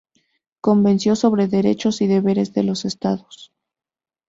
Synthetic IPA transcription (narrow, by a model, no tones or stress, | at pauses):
ko̞mbe̞nsjo̞so̞βɾe̞ðe̞ɾe̞̰t͡ʃo̞siðe̞βe̞ɾe̞zðe̞lo̞se̞st̪aðos